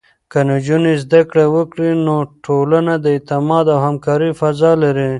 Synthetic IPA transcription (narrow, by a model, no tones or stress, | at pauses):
kənod͡ʒunizd̪akɽewəkɽinoʈʰolanad̪əɪt̪ɪmɑd̪awhamkɑɾifazɑlaɾi